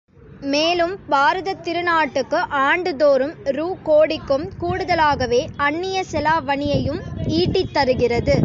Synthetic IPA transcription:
meːlɯmbaːɾɐðɐt̪ːɪɾɯnaːʈːɯkːɯʔaːɳɖɯðoːɾɯmɾuːkoːɽɪkːɯmkuːɽɯðɐlaːɣɐʋeːɐɳːɪjɐsɛlaːʋɐɳɪjɐjɯmiːʈːɪt̪ːɐɾɯɣɪrɐðɯ

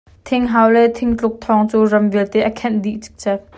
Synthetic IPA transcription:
t̪ʰɪŋɦawlɛt̪ʰɪŋt͡ɬʊk̚t̪ʰɔŋt͡suːrɐmvilt̪ɛʔəkʰɛnd̪iʔt͡si̥k̚t͡sɛp̪̚

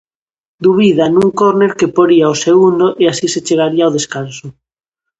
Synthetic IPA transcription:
d̪uβ̞iðanũŋkoɾneɾkepoɾiaoseɣund̪oʔeasiset͡ʃeɣ̞aɾiaowð̞eskanso

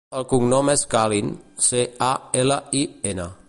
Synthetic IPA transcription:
əlˠkuŋnɔmɛskalinseaɛləienə

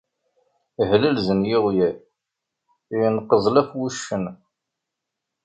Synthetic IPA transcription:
hləlzənjiʁjæ | jənqːəzˤlæfwuʃːən

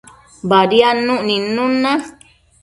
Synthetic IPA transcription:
baɾianũʔnĩnũnːã

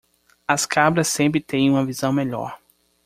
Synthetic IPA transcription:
ɐskabɾɐsːẽmp̬ɾɪt̪ẽj̃ũmɐvizɐ̃w̃meʎɔ̰ɾ

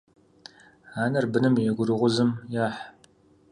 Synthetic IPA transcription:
aːnɐrbɨnɨmɛɡʷʊɾɨʁʷʊzɨmjaːħ

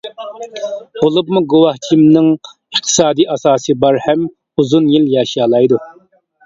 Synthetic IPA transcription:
ʁolˠɨb̚muɡuwɑht͡ʃʰimnɨŋ | əχt̪ʰɨ̥sɑːd̪iːʔɑsɑːsɨbɑɾhɛm | uzunjiljɑːʃɑːlˠɑjd̪u

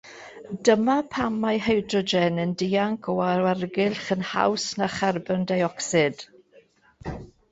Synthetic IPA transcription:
dəmapʰamːajɦɛjdrɔd͡ʒɛnəndɪːaŋkʰɔwaarɡɪlχənha̰wsnaχarbəndajɔksɪd̥

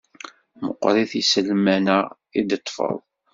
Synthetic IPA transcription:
mə̰qːɾiθisəlmænə | id̪ət̪ˤːfə̰ðˤ

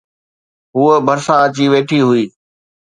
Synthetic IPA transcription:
ɦuːəbʱɐɾsãət͡ɕiʋeːʈʰiɦʊiː

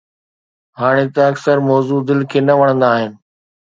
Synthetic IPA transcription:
ɦaːɽ̃et̪ɐɐksəɾmɔːzud̪ɪlkʰeːnɐʋɐɽ̃ə̃nd̪aːɦɪnɪ̆

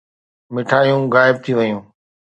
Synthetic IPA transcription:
mɪʈʰaːijũːɣaːɪb̚t̪ʰiʋəjũː

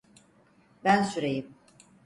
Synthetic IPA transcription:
bænsyɾejim

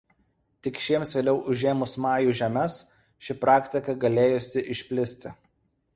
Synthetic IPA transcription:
t̪ʲɪkʃʲiɛmsʋʲeːlʲɛʊʔʊʒʲeːmʊsmɑːjuːʒʲɛmʲɛs | ʃʲɪpɾɑːkʲt̪ʲɪkɐɡɐlʲeːjʊsʲɪʔɪʃʲpʲlʲɪsʲt̪ʲɪ

